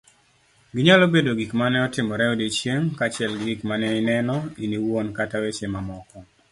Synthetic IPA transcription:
ɡɪɲalobedoɡikmanɛɔtɪmɔɾɛɔdit͡ʃjeŋkat͡ʃɪɛlɡɡikmanɛɪnɛnɔiniwonkatawet͡ʃemamɔkɔ

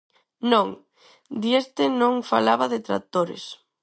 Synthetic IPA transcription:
nõŋ | d̪iest̪ɪnõŋfalaβaðɪt̪ɾa̰t̪oɾḛs

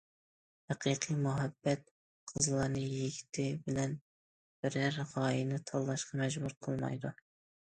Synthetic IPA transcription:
hæqʰiqʰijmuɦɛbːɛt̪̚ | qʰəzlˠɑɾnɨjiɡʲi̥t̪ʰɪbɪlɛn | b̥ɪɾæɾʁɑːjinɨt̪ʰɑlˠːɑʃqʰɑmɛʒbuɾqʰəlˠmɑ̰jd̪u

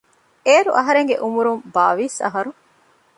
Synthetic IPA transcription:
eːɾuʔɐɦɐɾeŋɡeʔumuɾumbaːʋiːsɐ̰ɦɐɾu

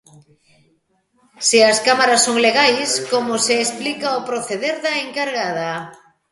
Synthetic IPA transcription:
siɐskamaɾɐsːoŋleɣajskomʊseːsplikaopɾoθeðeɾðɐeŋkaɾɣaðɐ

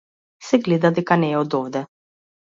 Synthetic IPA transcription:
sɛɡlɛd̪ad̪ɛkanɛːɔd̪ɔvd̪ɛ

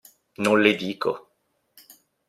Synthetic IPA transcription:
nõnled̪iːkʰo̰

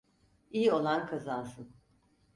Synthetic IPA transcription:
ijo̞lˠankʰazansɯn

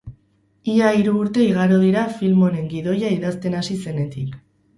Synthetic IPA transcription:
iaiɾuːɾt̪e̞iɣ̞aɾoðiɾafilmo̞ɾe̞ŋɡiðo̞jaiðast̪e̞nasise̞ne̞t̪ik

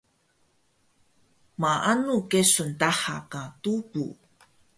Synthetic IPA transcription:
maʔanukesuntaħakatubu

